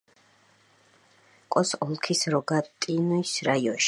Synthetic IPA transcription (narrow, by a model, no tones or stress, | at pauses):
kʼɔsɔlˠkʰisɾɔɡat̪ʼinuisɾaiɔnʃ